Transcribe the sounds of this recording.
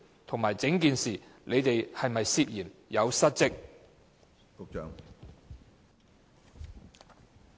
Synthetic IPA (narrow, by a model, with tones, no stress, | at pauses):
t̪ʰʊ˨˩ŋmaː˨˩jt͡sɪ˨˥ŋkiː˨nsiː˨lʔe˨˧jt̪e˨jhɐ˨jmɐ˨jsiː˧p̚jiː˨˩njɐ˨˧wsɐ˥t̚t͡sɪ˥k̚ | ʊ˨˧k̚t͡ʃœː˨˧ŋ